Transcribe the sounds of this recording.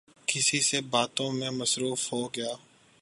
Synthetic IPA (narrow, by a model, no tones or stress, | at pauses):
kɪsisebaːt̪õmẽməsɾuːfɦoːɡɪjaː